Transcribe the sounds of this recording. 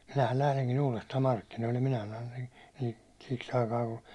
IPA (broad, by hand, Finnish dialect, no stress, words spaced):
minæhæn læhleŋkin uːlestɑːm mɑrkːinoilːen minæ sɑnon̞ siks ɑikɑː ku